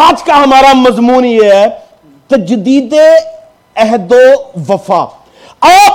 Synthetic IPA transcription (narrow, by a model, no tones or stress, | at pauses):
aːd͡ʒkaɦɐmaːɾamɐzmuːnjeɛ | t̪ɐd͡ʒd̪iːd̪e | ɐɦd̪oʋɐfa̰ː | aː